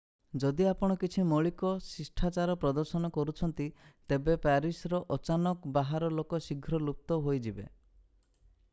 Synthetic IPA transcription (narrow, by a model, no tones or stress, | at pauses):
d͡ʒɔd̪iapɔɽ̃ɔkit͡ʃʰimɔɭikɔsisʈʰat͡ʃaɾɔpɾɔd̪ɔɾsɔnɔkɔɾut͡ʃʰɔnt̪it̪ebepaɾisɾɔʔɔt͡ʃanɔkbaɦaɾɔlokɔsiɡʱɾɔlup̚t̪ɔɦojd͡ʒibḛ